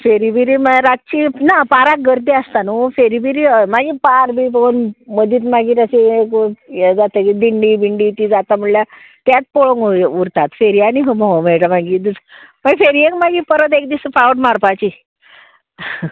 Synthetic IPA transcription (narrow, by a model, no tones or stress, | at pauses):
feɾibiɾiːmaɾat̪̚t͡ɕinapaɾak̚ɡəɾd̪iast̪anufeɾibiɾiːmaɡiːpaɾbiːbəɡonməd̪ʱiːt̪maɡiːtəsẽkd͡zat̪əkid̪iɳɖiːbiɳɖiːt̪iːd͡zat̪am̤uɽlja | t̪jat̪̚poɭoŋuuɾt̪at̪feɾijaniɦəmɔɦomeɭʈəmaɡiːd̪usmaɡfeɾiekmaɡiːpəɾət̪̬ekd̪isəfawʈmaɾpat͡ɕi